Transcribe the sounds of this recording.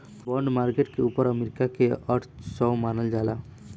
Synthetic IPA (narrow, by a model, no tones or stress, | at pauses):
bʌɳɖmarkeʈkeupʌɾʌmeɾikakeʌʈʰsɔwmanʌld͡ʒala